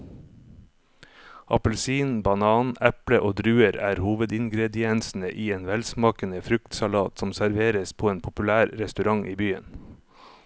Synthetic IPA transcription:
ʔɑ̰pəlsiːnbɑnɑːnæpləʔoːd̪ɾʉːəɾæːɾhuːʋəd̪ɪŋɡɾɛd̪ɪɛnsn̩ə̰ʔiːeːnʋɛlsmɑːkənəfɾʉkt̪sɑlɑːt̪sɔmsæɾʋeːɾəspʰoːeːnpʰʊpʉlæːɾɾɛst̪ʉɾɑŋʔḭːbyːə̰n

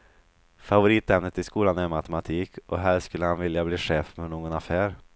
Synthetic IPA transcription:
favʊɾiːt̪ɛmnət̪ɪskuːlanæɾmat̪əmat̪ʰiːkʰʔɔɦæːɾʂkɵlːəhanvɪljabliːɧeːfmɛnoːɡɔnafæːɾ

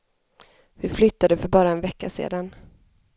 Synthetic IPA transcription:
vɪflʏt̪ːad̪əfœɾbɑːɾaɛnvɛkːasḛːd̪an

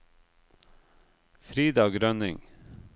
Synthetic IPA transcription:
fɾiːd̪ɑːɡɾœnɪŋ

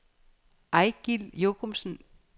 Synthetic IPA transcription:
ʔɑɪɡ̥il̰jokʰomsn̩

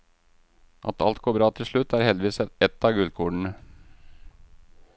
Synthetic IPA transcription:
ʔɑ̰t̪ʰɑlt̪̚ɡoːbɾɑːt̪ʰɪlʂɭʉt̪ʰːæɾhɛld̪ɪʋiːsɛɛt̪ːɑɡʉld̪̚kʰuːɖəɳ̩ə

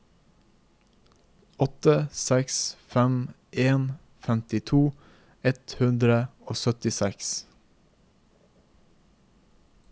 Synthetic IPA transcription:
ɔt̪əsɛksfɛm | ʔeːn | fɛmt̪ɪt̪ʰuː | ɛt̪hʉnd̪ɾəoːsœt̪ɪsɛks

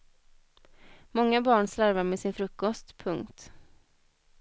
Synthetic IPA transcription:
mɔŋːabɑːɳslaɾvaɾmɛsɪnfɾɵkːɔst̪pʰɵŋkt̪

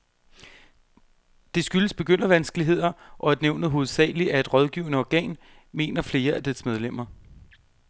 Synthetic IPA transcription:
d̥e̝sɡ̥yləsb̥e̝ɡ̥øn̰ɐʋænsɡ̥əliɦe̝ð̞̰ˠɐʔɒ̽æd̥neʊ̰nð̩ˠɦo̝ːð̩ˠsɛ̰ːliæe̝d̥ʁɒ̽ðˠɡ̥iːʊnəɒɡ̥ɛ̰ːn | me̝̰ːnɐfle̝ːɐʔæd̥æsmeð̞ˠlem̰ɐ

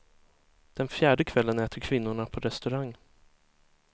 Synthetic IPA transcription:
d̪̥ɛnfjæːɖəkʰvɛlːənɛːt̪ʰəɾkʰvɪnːʊɳapʰɔɾɛst̪ɵɾaŋː

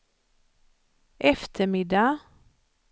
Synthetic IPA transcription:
ʔɛft̪ʰəmɪd̪ɑ

